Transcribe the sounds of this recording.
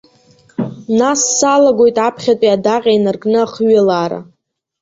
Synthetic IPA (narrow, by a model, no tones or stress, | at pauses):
nasːalaɡʷo̞jtʼapʰχʲatʷʼiadaqʲʼajnɨrɡʼnɨaχɥelaːɾa̰